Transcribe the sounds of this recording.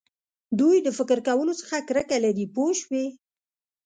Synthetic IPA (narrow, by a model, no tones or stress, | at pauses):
d̪ujd̪əfɪkɾkawəlot͡sə̥xakɾəkalaɾipoʃwe